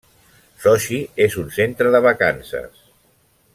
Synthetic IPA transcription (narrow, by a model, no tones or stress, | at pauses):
sɔʃiezunsent̪ɾəðəβəkansə̰s